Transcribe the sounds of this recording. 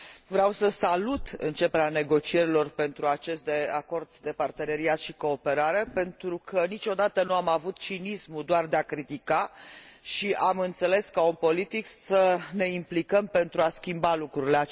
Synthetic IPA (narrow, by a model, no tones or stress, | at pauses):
vɾeawsəsalut̪ɨ̰nt͡ʃe̞peɾeane̞ɡo̞t͡ʃie̞ɾilo̞rpe̞nt̪ɾuat͡ʃe̞st̪̚d̪ea̰ko̞rd̪d̪e̞part̪e̞ne̞ɾiat̪ʃiko̞ːpe̞ɾaɾe̞pe̞nt̪ɾukʰənit͡ʃo̞d̪at̪ənuamavut̪t͡ʃinismud̪oard̪eakɾit̪ikaʃiʔamɨnt̪se̞le̞skaunpo̞lit̪iksəne̞implikəmpe̞nt̪ɾuaskʲimbalukɾuɾile